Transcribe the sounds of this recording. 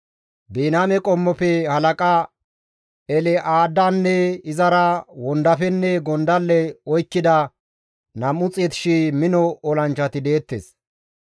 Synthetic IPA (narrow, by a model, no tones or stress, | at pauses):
beːnaːmɛkʼɔmːɔpɛhɐlɐkʼa | ɛlɛʔaːd̪ːanːɛɪzɐɾɐwɔnd̪ɐfɛnːɛɡɔnd̪ɐlːɛɔjkːɪd̪ɐ | nɐmːʊt͡sʼɛt̪ɪ̥ʃimɪnɔɔlɐnt͡ʃːɐt̪ɪd̪eːt̪ːḛːs